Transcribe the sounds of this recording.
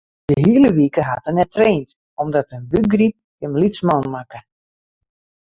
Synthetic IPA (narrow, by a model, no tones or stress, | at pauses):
d̥əɦiəlˠəʋikəɦatənɛtreːnt | ʔɔmdɔtənbyɡrip̚kəmlismɔnmakə